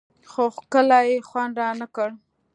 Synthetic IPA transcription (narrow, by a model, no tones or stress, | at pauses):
xokəlajexwand̪ɾɑnəkəɽ